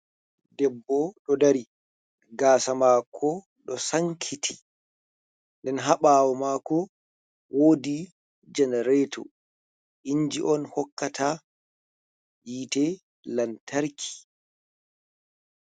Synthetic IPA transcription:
dɛbːɔɗɔdaɾi | ɡaːsamaːkʰɔ | ɗɔsaŋkʰitʰi̥ | ndɛnɦaɓaːwɔmaːkɔ | wʔoːdi | d͡ʒɛnɛɾɛtʰɔ̰ | ʔiɲd͡ʒiʔɔnhɔkːatʰa | jitɛ | lantʰaɾkʰi̥

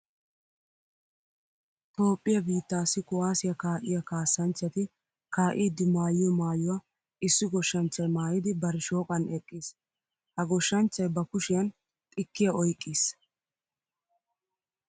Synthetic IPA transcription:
t̪o̞ːpʼːɪjɐbiːt̪ːaːsɪkʊwaːsɪjɐkaːʔɪjɐkaːsːɐnt͡ʃːɐt̪ɪ | kaːʔiːd̪ːɪmaːjɪjɔmaːjʊwa | ɪsːɪɡɔʃːɐnt͡ʃːɐjmaːjɪd̪ɪbɐɾɪʃo̞ːkʼɐnɛkʼːis | hɐɡɔʃːɐnt͡ʃːɐjbɐkʊʃɪjɐn | t̪ʼɪkːɪjɐɔjkʼːiːs

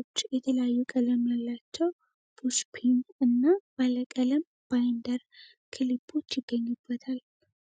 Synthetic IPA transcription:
ot͡ʃːjɛt̪ʰələjajːukʼələmjalːat͡ʃːɛw | b̥ʰuspʰinɨnːab̥aləkʼələm | b̥ajnd̪əɾ | kʰɨlibʰo̞t͡ʃːjɪɡːəɲːubːət̪ʰal

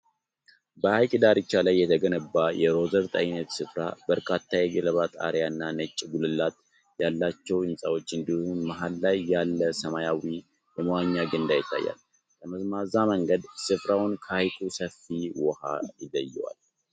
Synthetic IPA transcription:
bəhajkʼid̪aɾɨt͡ʃːalajːɛt̪ʰəɡənəbːajɛɾo̞zəɾt̪ʼa̰jnət̪sɨfɾa̰bəɾkʰat̪ʰːajɛɡələβat̪ʼa̰ɾjaɨnːanət͡ʃʼːɡulɨlːat̪ | jalːat͡ʃːɛwɨnsʼawo̞t͡ʃːɨnd̪ihunmaɦalːajːalːəsəmajawi | jɛmwaɲːaɡɨnd̪ajɪt̪ʰːa̰jːa̰l | kəməzmazaməŋɡəd̪sɨfɾawʊnkʰəajkʼusəfːiwɔha̰jɪlːəjːɛwa̰l

